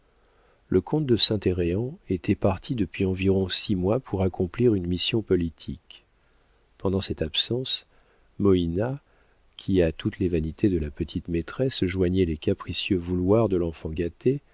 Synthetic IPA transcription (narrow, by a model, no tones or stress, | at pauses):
lʔəkʰɔ̃t̪̚d̪əsɛ̃t̪eʁeɑ̃et̪ɛpaʁt̪ʰid̪əpɥiɑ̃viʁɔ̃simwapʰuʁakɔ̃pliʁynmisjɔ̃pɔlit̪ʰik | pɑ̃d̪ɑ̃sɛt̪apsɑ̃s | mɔina | kʲʰiat̪ut̪levanit̪ʰed̪əlapət̪ʰit̪met̪χɛsʒwaɲɛlekapχisjøvulwaʁd̪əlɑ̃fɑ̃ɡat̪e